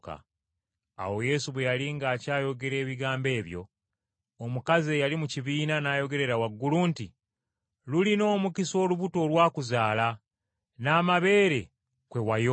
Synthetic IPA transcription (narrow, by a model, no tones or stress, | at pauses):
ka̰ | a̰wo̞je̞ːsuβwe̞jaliŋɡaːcaːjo̞ɡe̞ɾe̞ːβiɡaːmbe̞ːβjo̞̰ | omukazejalimuciβiːnanaːjo̞ɡe̞ɾe̞ɾawaɡːuluːnti | lulino̞ːmukiso̞ːluβuto̞ːlwaːkuzaːla | naːmaβe̞ːɾe̞ | kwe̞wajo